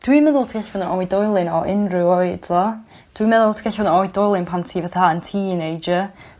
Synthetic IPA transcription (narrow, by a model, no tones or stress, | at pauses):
d̥wimɛðʊlˠtʰiɡ̥ɛɬvɔðənɔjdɔjlˠɪnɔʔɪnrɨwɔjd̥ɔ | d̥wimɛðʊlˠtʰiɡɛɬvɔðənɔjdɔjlˠɪnpʰantʰiːvaθaəntʰiːnejd͡ʒə